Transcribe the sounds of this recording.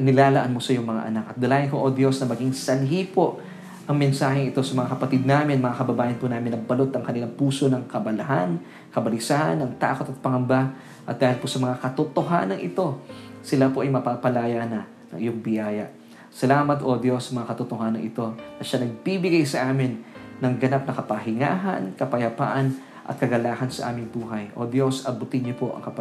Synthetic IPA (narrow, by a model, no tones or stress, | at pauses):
nɪlaːlɐʔanmo̞sɐjʊŋmɐŋa̰ʔɐnakʔɐt̪̚d̪ɐlaːjɪnkoʔod̪jo̞snɐmɐɡiŋsɐlɦipo̞ʔ | ʔɐŋmɛnsaːɦɛŋɪt̪o̞sɐmɐŋakɐpɐt̪id̪̚naːmɪnmɐŋakɐbɐbaːjɐnpunaːmɪnɐŋbɐlo̞t̪ɐŋkɐnɪlaŋpuːso̞nɐŋkɐbɐlɐɦan | kɐbɐlɪsahɐ̰nːɐŋt̪a̰ːko̞t̪ɐt̪̚pɐŋɐmba | ʔɐt̪̚d̪aːhɪlposɐmɐŋakɐt̪ot̪oɦa̰ːnɐŋʔɪt̪o̞sɪlapo̞ʔɐjmɐpapɐlaːjanɐ | nɐ̰ŋʔɪjoŋbɪjaːjɐ̰ʔ | sɐlaːmɐt̪ʔod̪jo̞sɐmɐŋakɐt̪ʊt̪oɦaːnɐŋɪt̪o̞nɐʃanɐɡ̚bibɪɡajsɐʔaːmɪnːɐŋɡɐnap̚nɐkɐpɐɦɪŋa̰ːɦɐ̰nkɐpɐjɐpa̰ːʔɐn | ʔɐ̰t̪kɐɡɐlaːhɐnsɐ̰ʔa̰ːmɪŋbuːɦɐjʔo̞̰d̪jo̞sɐbʊt̪ɪnɲopo̞ʔɐ̰ŋkɐp